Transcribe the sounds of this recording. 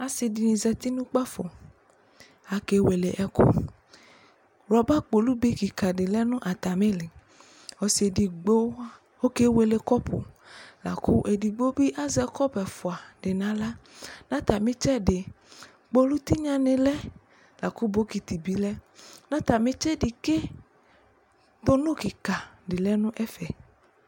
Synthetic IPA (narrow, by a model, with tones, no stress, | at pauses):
a˨si˨di˨nĩ˨zɛ˨t̪i˦nũ˦k͡pa˦fɔ˨ | a˨ke˨˦we˨le˨ʔɛ˦kṵ˦ | ɾɔ˨ba˦k͡po˨lu˦be˦ki˨ka˨ɖe˨lɛ˦nũ˦ʔa˨t̪a˨mẽ˦le˨ | ɔ˨se˨di˨ɡ͡bo˦ | wo˦ke˦we˨le˨kɔ˦pʰo̰˨la̰˨ku˦ʔe˨di˨ɡ͡bo˦bi˦ʔa˦zɛ˨kɔ˦bɛ˨fo˨a˨ɖe˨nã˦la˦nã˦t̪a˨mẽ˦t͡ʃɛ˦ɖe˨ | k͡po˦lu˦t̪i˦ɲã˦nẽ˨lɛ˦ | la˨ku˦bo˦ki˨t̪i˨bi˦lɛ˦nã˦t̪a˨mẽ˦t͡ʃe˦di˨ke˦ | t̪o˦nõ˦ki˨ka˨ɖe˨lɛ˦nũ˦ʔɛ˦fɛ˨